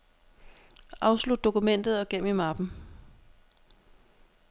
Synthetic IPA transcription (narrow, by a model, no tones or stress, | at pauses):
ʔɑ̈ʊslud̥̚ːo̝kumen̰d̥ð̞̩ˠɒ̽ɡ̥em̰imɑb̥n̩